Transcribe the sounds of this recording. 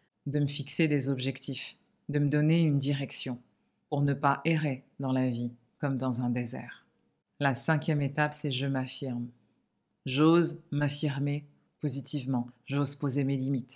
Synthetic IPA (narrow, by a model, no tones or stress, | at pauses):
d̪əməfiksed̪ezɔbʒɛkt̪if | d̪əməd̪ɔneynd̪iʁɛksjɔ̃ | puʁnəpaʔeʁed̪ɑ̃lavi | kɔmd̪ɑ̃zɛ̃d̪ezɛ̰ːʁ | lasɛ̃kʲjɛmet̪apsɛʒəmafiʁm | ʒozmafiʁme | pozit̪ʰivmɑ̃ʒozpozemelimit̪